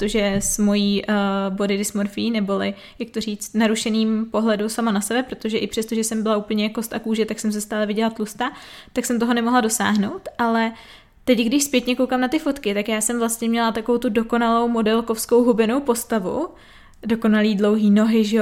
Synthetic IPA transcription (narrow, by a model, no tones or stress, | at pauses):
t̪oʒɛsmo̞jiːbo̞dɪdɪsmoɾfɪjinɛbolɪ | jak̚t̪o̞r̝iːt͡st̪naɾuʃɛniːmpo̞ɦlɛdusamanasɛbɛpɾo̞t̪oʒɛʔɪpr̥ɛst̪oʒɛsɛmbɪlaupl̩ɲɛako̞st̪akuːʒɛt̪aksɛms̬ɛst̪aːlɛvɪɟɛlat̪lust̪at̪aksɛmt̪oɦonɛmo̞ɦlado̞sa̰ːɦno̞wt̪ʔalɛ | t̪ɛcɡdɪʃspjɛt̪ɲɛkowkaːmnat̪ɪfo̞t̪kɪt̪akjaːsɛmvlast̪ɲɛmɲɛlat̪akovowt̪udo̞ko̞nalo̞wmo̞dɛlko̞fsko̞wɦubɪno̞wpo̞st̪avṵ | do̞ko̞naliːdlo̞wɦiːno̞ɦɪʒɛo